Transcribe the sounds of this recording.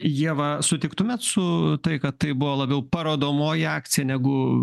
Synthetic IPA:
jiɛʋɐsʊt̪ʲɪkt̪ʊmʲɛːt̪sʊt̪ɐɪkɐt̪t̪ɐɪbʊʋoːlˠɐbʲɛʊpɐɾoːd̪oːmoːjɪɑːkt͡sʲɪjɛnʲɛɡʊ

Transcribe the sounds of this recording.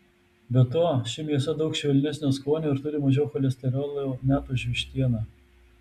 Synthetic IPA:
bʲɛt̪oɔʃʲɪmʲiɛsɐd̪ɐʊkʃʲʋʲɛlʲnʲɛsʲnʲoskoːnʲuːɪɾt̪ʊɾʲɪmɐʒʲɛʊxɔlʲɛsʲt̪ʲɛɾʲoːlˠomʲæːt̪uːʒʲʋʲɪʃʲt̪ʲiɛnɑː

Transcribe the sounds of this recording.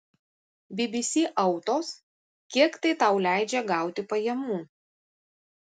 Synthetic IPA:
bʲɪbʲɪsʲiːʔɐʊt̪oːs | kʲiɛkt̪ɐɪt̪ɐʊlʲæˑɪd͡ʒʲɛɡɑˑʊt̪ʲɪpɐjɛmuː

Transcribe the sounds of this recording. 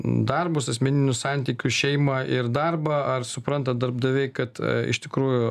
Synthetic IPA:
d̪ɐrbʊsɐsʲmʲɛnʲɪnʲʊssɑnʲt̪ʲiːkʲʊʃʲɛɪmɐʔɪɾd̪ɐrbɐɐrsʊpɾɐnt̪ɐd̪ɐɾb̚d̪ɐʋʲɛɪkɐt̪ɪ̰ʃt̪ʲɪkɾuːjʊ

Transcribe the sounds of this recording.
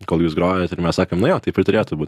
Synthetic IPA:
koːlˠjuːsɡɾoːjɛːt̪ɪɾmʲɛssɑːkoːmnʊjoːt̪ɐɪpʲɾɪt̪ʊɾʲeːt̪ʊbuːtʲ

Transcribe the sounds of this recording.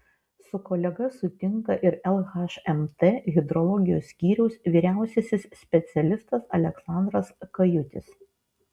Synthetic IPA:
sʊkɔːlʲɛɡɐsʊt̪ʲɪŋkɐʔɪɾɛlˠɣɐʃɛmt̪eːɣʲɪd̪ɾɔlˠɔɡʲɪjoːsʲkʲiːɾʲɛʊsʋʲiːɾʲæˑʊsʲɛsʲɪssʲpʲɛt̪sʲɛlʲɪst̪ɐsɐlʲɛksɑˑnd̪ɾɐskɐjʊt̪ʲɪ̰s

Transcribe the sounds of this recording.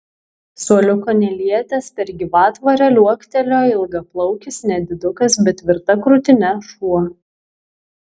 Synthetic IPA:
suɔlʲʊkoːnʲɛlʲiɛt̪ʲɛspʲɛɾɡʲɪʋɑːt̪ʋɐɾʲɛlʲuɔkt̪ʲɛlʲoːɪlˠɡɐplˠɒʊkʲɪsnʲɛd̪ʲɪd̪ʊkɐsbʲɛt̪tːʲʋʲɪɾt̪ɐkɾʊt̪ʲɪnʲɛʃuɔ

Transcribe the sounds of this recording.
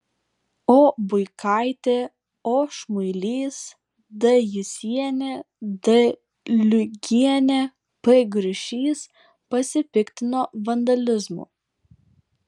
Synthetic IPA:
oːbʊɪkʰɑˑɪt̪ʲeː | oːʃmʊɪlʲiːs | d̪ɐjɪsʲiɛnʲe | d̪ɐ | lʲʊɡʲiɛnʲe | pɛɡɾʲɪʃʲiːs | pɐsʲɪpʲɪkʲt̪ʲɪnoːʋɐnd̪ɐlʲɪzmṵːˑ

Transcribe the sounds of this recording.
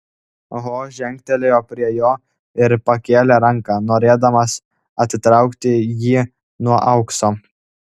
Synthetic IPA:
ɦoːʒʲɛŋʲkt̪ʲɛlʲejoːpʲɾʲiɛjoː | ɪɾpɐkʲeːlʲeɾɐŋkɑːnoːɾʲeːd̪ɐmɐs | ɐt̪ʲt̪ɾɑˑʊkt̪ʲɪjiː | nuɔʔɐʊksoː

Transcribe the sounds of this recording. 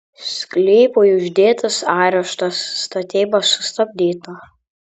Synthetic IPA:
sʲklʲɛːpojʊʒʲd̪ʲeːt̪ɐsɑːɾʲɛʃt̪ɐsːt̪ɐt̪ʲeːbɐsʊst̪ɐbʲd̪ʲiːt̪ɐː

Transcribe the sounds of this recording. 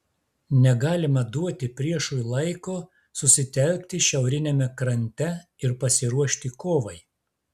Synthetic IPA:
nʲɛɡɑːlʲɪmɐd̪uɔt̪ʲɪpʲɾʲiɛʃuːjlˠɐɪkoː | sʊsʲɪt̪ʲɛlʲk̚ʲt̪ʲɪʃʲɛʊɾʲɪnʲemʲɛkɾɐnʲt̪ʲɛɪɾpɐsʲɪɾuɔʃʲt̪ʲɪkoːʋɐɪ

